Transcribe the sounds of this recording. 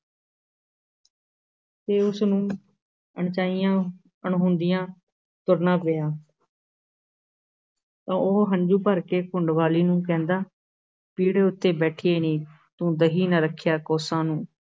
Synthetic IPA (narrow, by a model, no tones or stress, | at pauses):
t̪eːʊsnũː | əɳt͡ʃaːijãː | əɳɦʊnd̪ɪjãː | t̪ʊɾnãːpɪjaː | t̪ãːoːɦəɲd͡ʒuːpəɾkeːkʊɳɖʋaːliːnũːk̬ɛ̃ːnd̪aː | piːɽeːʊt̪ːeːbɛːʈʰiːeːnĩː | t̪ũːd̪əɦiːnəɾəkʰːjaːkɔːsãːnũː